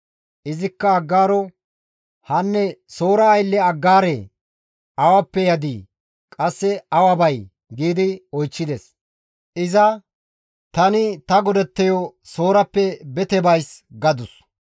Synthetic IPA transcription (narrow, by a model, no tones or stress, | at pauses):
ʔɪzɪkːɐɐɡːaːɾɔ | hɐnːɛso̞ːɾɐːjlːɛɐɡːaːɾe | ɐwɐpːɛjɐd̪iː | kʼɐsːɛɐwɐbɐj | ɡiːd̪ɪɔjt͡ʃːɪd̪ɛs | ʔɪzɐ | t̪ɐnɪt̪ɐɡɔd̪ɛt̪ːɛjɔsoːɾɐpːɛbɛt̪ɛbɐjsɡɐd̪ʊs